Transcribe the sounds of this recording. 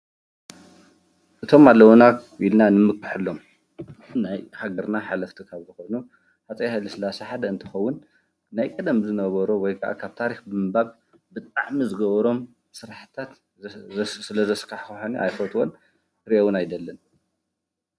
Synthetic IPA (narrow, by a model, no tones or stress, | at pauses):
ʔɨt̪ʰo̞malːɐwonailnanɨmɨkʼːɨħɨlːo̞m | najhaɡɐɾnaħalɐft̪ʰikʰaβzɨxojnu | ħat͡sʼɐjhajlɨsɨlasɐħad̪ɐɨnt̪ʰɨ̥xɐwːʊnː | ajkʼɐd̪ɐmzɨnɐβɐɾowɔjkʰaʔa̰kʰaβt̪ʰaɾixbɨmɨbaβ | bɨt̪ʼaʕmizɨɡɐβɐɾo̞m | sɨɾaħɨt̪ʰat̪ | sɨlɐzɐskʰaħxħaniʔa̰jfot̪ʰwon | ɾiʔowunajd̪ɐlːɐn